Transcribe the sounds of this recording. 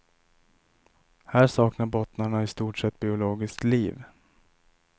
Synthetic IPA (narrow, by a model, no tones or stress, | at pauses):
hæːʂɑːknaɾbɔt̪naɳaɪst̪uːʈʂɛt̪ːbɪʊloːɡɪskliːv